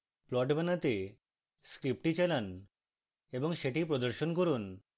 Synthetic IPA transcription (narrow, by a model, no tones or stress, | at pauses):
plɔʈbanat̪e | skɾip̚ʈit͡ɕajlan | eboŋʃeʈip̬ɾod̪oɾʃonkoɾun